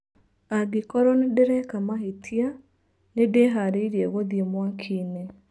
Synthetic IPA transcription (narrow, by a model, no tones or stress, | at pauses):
aɡɪkɔɾɔnedeɾɛkamaɦetʰia | nedeɦaɾeiɾieɣoðiemwakʰine